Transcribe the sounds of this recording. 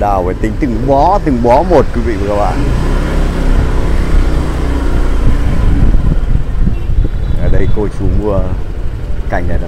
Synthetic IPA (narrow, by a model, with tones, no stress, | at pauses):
ɗaː˨˩wvəː˨˦jt̪ï˨˦ŋ̟t̪ɨ˨˩ŋɓɔ˨˦t̪ɨ˨˩ŋɓɔ˨˦mo˨˩t̚kwi˨˦vḭ˧˨və˨˧˩ka˧˩ɓa̰ː˧˨n | ʔəː˨˩ɗə˧jko˧jsu˨˦ŋmu˧ə | ka˨˧˩jŋ̟la̰˨˩ɗa˧˦